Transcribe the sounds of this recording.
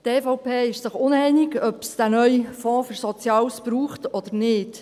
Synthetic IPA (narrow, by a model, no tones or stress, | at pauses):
teːfɔʊpʰeːɪʃsɪχʊnɛjnɪɡœpsd̥ænœjfɔ̃ːfyɾsɔt͡sjɑːsb̥ɾuːχtɔd̥̪əɾnɪːt